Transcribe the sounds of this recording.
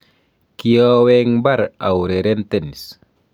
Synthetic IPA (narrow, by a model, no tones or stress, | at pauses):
kiɔwɛŋbaɾa̰wɾɛɾɛnt̪ɛnis